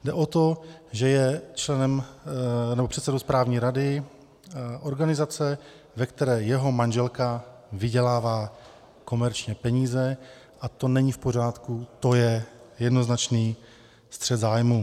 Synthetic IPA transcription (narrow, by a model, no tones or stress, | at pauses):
dɛʔo̞t̪o̞ʒɛjɛt͡ʃlɛnɛm | nɛbo̞pr̝ɛt̪sɛdospɾaːvɲiːɾadɪ | ʔo̞ɾɡanɪzat͡sɛ | vɛkt̪ɛɾɛːjɛɦo̞manʒɛlkavɪɟɛlaːvaː | ko̞mɛɾt͡ʃɲɛpɛɲiːzɛ | ʔat̪o̞nɛɲifpo̞r̝aːt̪kut̪o̞jɛjɛdno̞znat͡ʃniː | st̪r̥ɛd̪zaːjmu